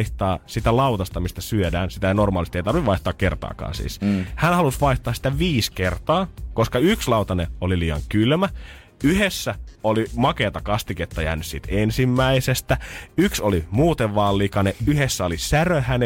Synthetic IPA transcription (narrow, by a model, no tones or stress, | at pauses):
iht̪ɑːsit̪ælɑwt̪ɑst̪ɑmist̪æsyødæːnsit̪æjɑnormɑːlist̪ieit̪ɑrʋiʋʋɑiht̪ɑːkkert̪ɑ̰ːkɑ̰ːnsḭːshænhɑlusʋɑiht̪ˑɑːsi̥t̪æʋiːskert̪ɑːkoskɑykslɑut̪ɑneoliliːɑ̰ŋkylmæ | yhesːæolimɑkeːt̪ɑkɑst̪iket̪ːɑjæ̰ːnyssḭt̪ensimːæisest̪æyksolimuːt̪eʋʋɑːlːikɑneyhesːæolisærøhæn